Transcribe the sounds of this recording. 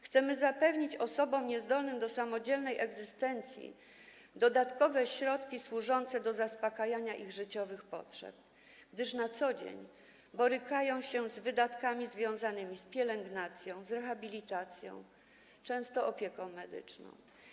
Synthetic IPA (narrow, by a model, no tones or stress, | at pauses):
xt̪sɛmɘzapɛvɲit͡ɕɔsɔbɔmɲɛzd̪ɔlnɘmd̪ɔsamɔd͡ʑɛlnɛjʔɛɡzɘst̪ɛnt̪sʲjḭ | d̪ɔd̪at̪kɔvɛɕɾɔt̪kʲiswuʐɔnt̪sɛd̪ɔzaspakajaɲaʔiɣʐɘt͡ɕɔvɘxpɔ̰tʂɛ̰p̚ | ɡ̥d̪ɘʂnat̪sɔd͡ʑḛɲ | bɔɾɘkajɔ̃w̃ɕɛzvɘd̪at̪kamʲizvʲjɔ̃w̃zanɘmʲispʲjɛlɛŋɡnat̪sʲjɔ̃w̃zɾɛxabʲilʲit̪at̪sʲjɔ̰̃w̃ | t͡ʂɛ̃w̃st̪ɔʔɔpʲjɛkɔ̃w̃mɛd̪ɘ̰t͡ʂnɔ̰̃w̃